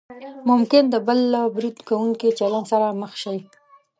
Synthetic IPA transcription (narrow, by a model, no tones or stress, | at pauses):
mʊmkɪnd̪əbəlbɾid̪kawuŋkit͡ʃalansaɾaməxʃaj